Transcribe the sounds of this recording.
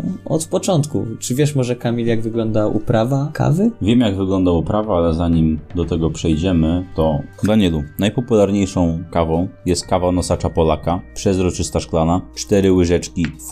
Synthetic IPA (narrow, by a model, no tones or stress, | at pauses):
ɔ̰t̪pɔt͡ʂɔnt̪kṵt͡ʂɘvʲjɛʂmɔʐɛkamʲilʲjaɡvɘɡlɔnd̪aʔṵpɾavakʰa̰vɘvʲjɛmjaɡvɘɡlɔnd̪aupɾavaalɛzaɲimd̪ɔt̪ɛɡɔpʂɛjd͡ʑɛmɘt̪ɔd̪aɲɛlunajpɔpulaɾɲejʂɔ̃w̃kavɔ̃w̃jɛst̪̚kavanɔsat͡ʂapɔlakapʂɛzɾɔt͡ʂɘst̪aʂklanat͡ʂt̪ɛɾɘwɘʐɛt͡ʂkʲi